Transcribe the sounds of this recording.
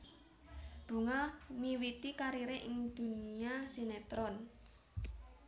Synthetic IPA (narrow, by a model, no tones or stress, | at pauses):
b̥ṳŋaniwit̪ikaɾiɾeʔɪŋd̪̥ṳniasinet̪ɾɔn